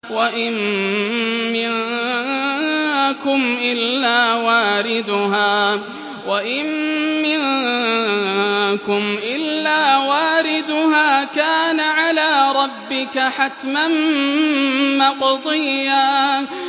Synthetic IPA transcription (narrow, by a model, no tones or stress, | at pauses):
waʔɪmː | ɪn | kʊmʔɪlːaːwaːɾɪd̪ʊɦaː | waʔɪmːɪn | kʊmʔɪlːaːwaːɾɪd̪ʊɦaːkaːnaʕalaːɾˤɑbːɪkaħat̪man | mɑqd̪ˤɨjːaː